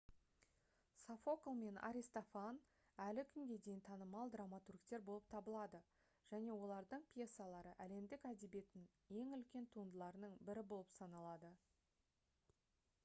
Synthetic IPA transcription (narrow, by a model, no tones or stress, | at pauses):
safo̞klˠme̞na̰ɾʲist̪ofan | ælɪkʲʰʏŋɡʲe̞d̪e̞jnt̪ʰɑnəmɑlˠd̪ramat̪urkt̪e̞ɾbo̞lˠəp̚t̪ʰɑbəlˠɑd̪ə | ʒ̥æne̞wo̞lˠɑɾd̪əɴpʰʲje̞sːalˠɑɾəʔæle̞md̪ɪkæd̪ebe̞t̪ɪŋ | je̞ŋʏlkʲe̞nt̪ʰuənd̪əlˠɑɾənəɴbɪɾɪbo̞lˠəpsɑnɑlˠɑd̪ə